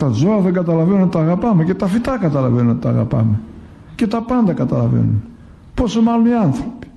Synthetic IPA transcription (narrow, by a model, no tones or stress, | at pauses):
t̪ɐzo̞ɐðeŋɡɐt̪ɐlɐvenunt̪t̪ɐːɣɐpɐmece̞t̪ɐfit̪ɐkɐt̪ɐlɐvenunot̪it̪ɐːɣɐ̰pɐ̰me | ce̞t̪ɐpɐnd̪ɐkɐt̪ɐlɐvḛnun | po̞somɐloniɐnθɾopi̥